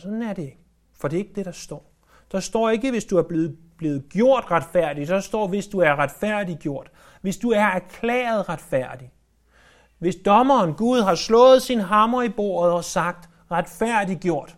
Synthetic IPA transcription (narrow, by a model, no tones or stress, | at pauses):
sɒ̽d̥n̩æɐɾe̝ɡ̥ | fɒ̽d̥e̝e̝ɡ̥əd̥e̝ɾ̥ɑ̈sd̥ɒ̰ː | d̥ɑ̈sd̥ɒ̰ːe̝ɡ̥əʋe̝sd̥uæɐb̥e | b̥le̝ːð̞̩ˠɡ̥jo̝ɐ̰d̥ʁad̥fæɐ̰d̥id̥ɑ̈sd̥ɒ̰ːʋe̝sd̥uæɐʁad̥fæɐ̰d̥iɡ̥jo̝ɐ̰d̥ | ʋe̝sd̥uæɐæɐkʰlɛ̰ːɐð̞ˠʁad̥fæɐ̰d̥i | ʋe̝sd̥ɒ̽mɐːnɡ̥uð̞ˠɦɑ̈slɔ̰̽ːð̞̩ˠsinɦɑ̈mɐib̥o̝̰ːɐðˠɒ̽sɑ̈ɡ̥̚d̥ | ʁad̥fæɐ̰d̥iɡ̥jo̝ɐ̰d̥